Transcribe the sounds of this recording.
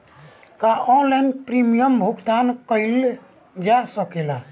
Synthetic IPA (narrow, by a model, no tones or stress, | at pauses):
kaɔ̃lɛnpɾimijəmbʱuɡd̪ankəil | d͡ʒasəkela